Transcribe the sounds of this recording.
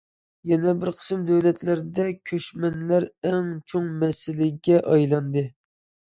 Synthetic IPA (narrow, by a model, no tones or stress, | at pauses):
jɛnɛbɪɾqʰə̥sɨmd̪æwlɛt̪læɾɪd̪ɛkʲʰøʃmɛnlæɾæŋt͡ʃʰoŋmɛsɪlɪɡʲɛʔɑjlˠɑnd̪ɨ